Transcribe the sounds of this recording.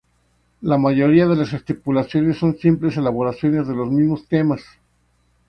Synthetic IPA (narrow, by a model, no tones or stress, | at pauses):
lamaʝo̞ɾiaðe̞lasest̪ipulasjo̞ne̞sːo̞nsimple̞se̞laβ̞o̞ɾasjo̞nezðe̞lo̞zmizmo̞st̪e̞mas